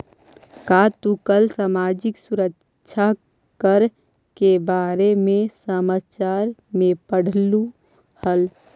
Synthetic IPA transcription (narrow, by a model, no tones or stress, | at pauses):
kat̪ukəlsaːmaːd͡ʒɪksuɾək | ʃʰa | kəɾ | kebaːɾemẽsəmaːt͡ʃaːɾmẽpəɽ̤lu | həl